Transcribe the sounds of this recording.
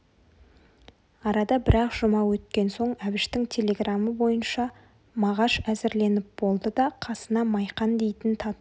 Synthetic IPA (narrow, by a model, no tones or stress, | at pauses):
ɑɾɑd̪ɑbɪɾɑqʒ̥ʊmɑwɵt̪kʲe̞nso̞ɴæbɪʃt̪ɪŋt̪ʲʰe̞lʲe̞ɡraməbo̞jənʃɑ | mɑʁɑʃæzɪɾle̞nɪp̚b̥o̞lˠd̪əd̪ɑqʰɑsənɑmɑjqɑnd̪e̞jt̪ɪnt̪ʰɑt̪